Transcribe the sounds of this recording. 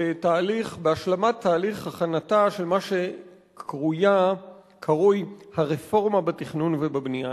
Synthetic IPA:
etaːliχbeaʃlamat̪ʰːaːliχhaχanataʃe̞lmaʃe̞ | kʰʁuja | kʰaʁujhaʁefo̞ʁmabatiχnunvebabnija

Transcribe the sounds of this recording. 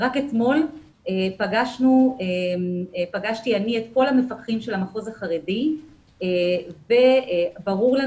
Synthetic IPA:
ʁaketmo̞l | epaɡaʃnue | paɡaʃtianiet̪ko̞lhamefaχimʃelamaχo̞zaχaʁedi | eve̞baʁuʁla

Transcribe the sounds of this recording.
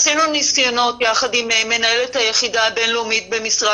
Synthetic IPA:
sinuniskjono̞tjaχadimeme̞naelethajeχidaːbe̞nleumit̚bemisʁa

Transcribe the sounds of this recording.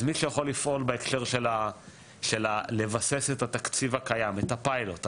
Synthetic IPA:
zmiʃejaχo̞lːifʔo̞lbeekʃe̞ʁʃela | ʃe̞lale̞vase̞se̞tat̪akt͡sivakajametapajlot̪

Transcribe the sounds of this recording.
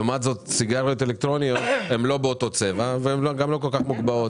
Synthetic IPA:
umat̪zo̞t̪siɡaʁijot̪̬elek̚t̪ʁo̞nijot̪he̞mlo̞beo̞t̪o̞t͡se̞vaveemloɡamlo̞ko̞lkaχmuɡbaot

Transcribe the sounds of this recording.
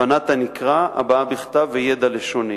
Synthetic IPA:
anat̪anikʁaa̰baabiχt̪avːejed̪aleʃoni

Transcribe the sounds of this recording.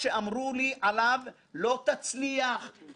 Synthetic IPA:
ʃeʔamʁuliʔalav | lo̞t̪at͡sliaχ

